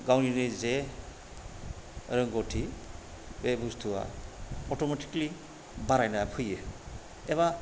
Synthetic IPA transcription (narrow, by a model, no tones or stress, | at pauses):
ɡawniɾɯze | ɾɯŋɡɔtʰi | bebustʰuwa̰ɔtɔmeti̥kli | baɾajnapʰɯjɯ | eβa